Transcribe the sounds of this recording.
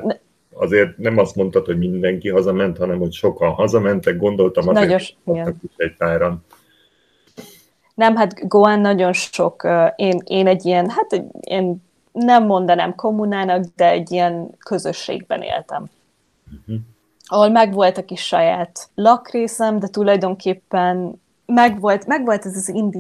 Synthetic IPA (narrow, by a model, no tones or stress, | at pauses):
n | ɒ̰zeːrt̪̚nɛmɒst̪mo̞nt̪ɒt̪hoɟmind̪ɛŋkiɦɒzɒmɛnt̪hɒnɛmho̞cʃo̞kɒnɦɒzɒmɛnt̪ɛɡ̚ɡo̞nd̪o̞lt̪ɒmɒnɒɾonʃoiɡɛnɒkiʃɛc̚t̪aːɾɒn | nɛmɦat̪ɡoanːɒɟo̞nʃo̞kːeːneːnɛɟːiɛnɦat̪ɛḛːn | nɛmːo̞nd̪ɒnaːmko̞mːunaːnɒkd̪ɛɛɟːijɛnkø̞zø̞ʃːḛːɡ̚bɛ̰nḛːlt̪ɛ̰m̩ | ɒɦolmɛɡʋo̞lt̪ɒkiʃːɒjaːt̪lɒkreːsɛmd̪ɛt̪ulɒjd̪o̞ŋkʰeːpːɛn | mɛɡʋo̞lt̪mɛɡʋo̞lt̪ɛzɒzind̪i